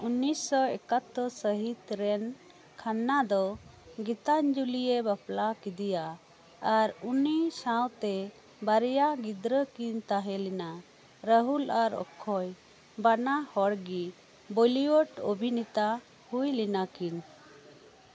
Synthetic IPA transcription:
unːisɔɛkat̪ːɔsəɦit̪ɾɛn | kʰanːad̪ɔɡit̪aɲd͡ʒulijebaplakid̪ija | aɾunisawt̪ɛ | baɾɛjaɡid̪ɾəkint̪aɦɛlina | ɾəɦulaɾɔ̰kʰːɔj | banahɔɽɡi | boliwɔʈo̰bʱinit̪a | hujlinakin

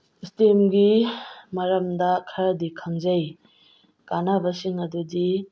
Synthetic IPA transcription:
stemɡimɐɾɐmdɐkʰɐɾɐdikʰaŋzɐj | kanabɐsiŋɐdudi

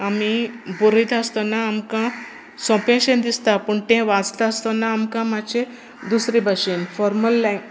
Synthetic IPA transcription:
amibuɾət̪əst̪ɔnaːmkã | sɔ̃pẽɕẽnd̪ist̪apəɳt̪ɛ̃ʋãd͡zt̪aəst̪ɔnaːmkãmat͡ɕẽ | d̪usɾibaɕinfɔɾməlːa

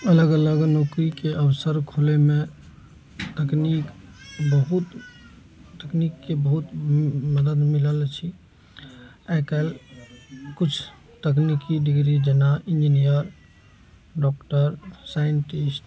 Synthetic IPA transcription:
ələɡələɡnɔkɾikeʔəbsəɾkʰoleme | t̪əknikbəɦut̪ | t̪əknikːebəɦut̪məd̪əd̪miləlt͡ʃʰi | akəl | kut͡ʃʰ | t̪əknikiɖiɡɾid͡ʒenaind͡ʒinijəɾ | ɖɔkʈəɾsajənʈisʈ

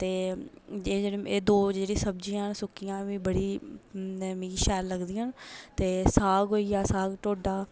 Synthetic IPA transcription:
t̪eːd͡ʒed͡ʒeːɽeeːd̪oːd͡ʒeːɽĩːsəbd͡ʒiːãnsʊkːijãːʋĩːbəɽiː | mĩːʃɛːlləɡd̪iːaːnt̪eːsaːɡɦoːiːaːsaːɡʈoːɖaː

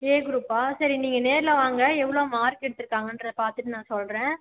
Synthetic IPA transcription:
eːɡʊɾuːpaːsɐɾiniːŋɡɐneːɾɪlɐʋaːŋɡɐɛʋːɐɭoːmaːɾkɛɽɯt̪ːɯɾɯkːaːŋɡɐndɾɐðɯpaːɾt̪ɯʈːɯnãːsɔlɾẽː

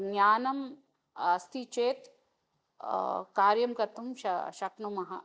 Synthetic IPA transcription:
ɡɲʲjaːnɐm | ɐst̪it͡ʃeːt̪ | kaːɾjɐmkɐt̪umʃɐ̰ʃɐknumɐɦɐ̰

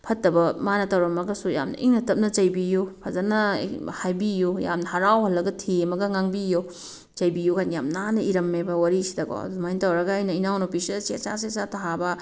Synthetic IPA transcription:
pʰɐtːɐbɐmanɐtɐwɾɐmɐɡɐsuja̰mnɐ̰ʔiŋnɐtɐp̚nɐt͡ʃɐjbijupʰazɐnɐhajbijuja̰mnɐhɐɾawhɐlːɐɡɐtʰemɐɡɐŋaŋbijo | t͡ʃɐjbijukʰanjamnanɐiɾɐmːebɐwaɾisi̥dɐɡɔ̰dmajntɐwɾɐɡɐajnɐinawnopisiset͡ʃasesataɦabɐ

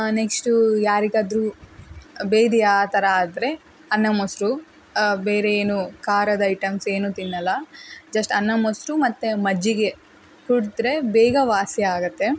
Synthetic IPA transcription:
neksʈujaːɾiɡaːd̪ɾu | beːd̪ijaːt̪ɐɾɐaːd̪ɐɾe̞ | ɐnːɐmosɾu | beːɾeeːnukaːɾɐd̪ɐiʈɐmse̞ːnuːt̪inːɐlːɐd͡ʒɐsʈɐnːɐmosɾumɐt̪ːemɐd͡ʒːiɡe̞ | kuɽit̪ɾe̞bɛːɡɐʋaːsjɐaːɡɐt̪ːe̞

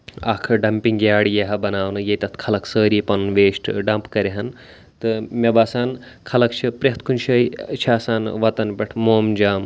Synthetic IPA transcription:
ɐ̰kʰɖɐmpiŋɡjaːɽijɐɦɐbɐnaːʋnɨjɐit̪ɐt̪ʰkʰɐlɐksəːɾipɐnʋeːʃʈʰɖɐmpkɐɾeɦɐn | t̪ɨmʲɐbaːsaːn | kʰɐlɐkt͡ʃʰipɾeɦt̪kʰunt͡ʃʰɐit͡ʃʰaːsaːnʋɐt̪ɐnpʲɐʈʰmoːmd͡ʒaːm

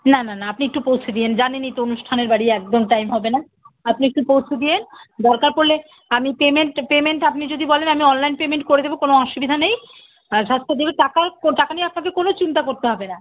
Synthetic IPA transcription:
nananaapniek̚ʈupowt͡ɕʰed̪iend͡ʑanenit̪oonuʃʈʰaneɾbaɽiɛk̚d̪omʈajmɦɔbena | apniek̚ʈupowt͡ɕʰed̪iend̪ɔɾkaɾpoɾlːe | amipemeɳʈpemeɳʈapnid͡ʑod̪ʱibɔlenamiɔnlajnpemeɳʈ̚koɾed̪ebokonoɔʃubid̪ʱanej | ʃast̪ʰed̪ibeʈakakoʈakanijeapnakekonot͡ɕint̪akoɾt̪eɦɔbena

